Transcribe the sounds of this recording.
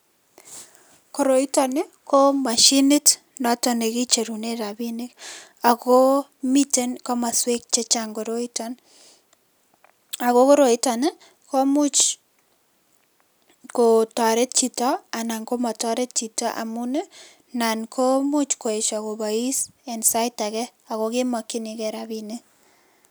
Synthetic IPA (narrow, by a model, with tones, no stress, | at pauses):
ko˨ɾo˨ita˨ne˦ko˦ma˨ʃinɪ˦t | nɔ˦tɔne˨ki˦t͡ʃe˨ɾuneɾa˨binek | a˨ko˦mite˦nko˦ma˨swe˦k̚t͡ʃe˦t͡ʃaŋɡo˨ɾo˦itan | a˨ko˦ko˦ɾo˨itanɪ | ko˦mu˦t͡ʃ | ko˨tɔ˨ɾe˦t̚t͡ʃi˨tɔa˨na˨ŋko˦ma˨tɔ˦ɾe˦t̚t͡ʃi˨tɔ˦ʔa̰˨mu˦ne˦ | na˨nkʰo˦mu˦t͡ʃko˨e˨ʃa˨ko˨ba˨i˦sɛ˨nsa˦ɪta˨kɛ˦a˨ɣo˦kɪ˦mɔ˨ki˦nikɛɾa˨binek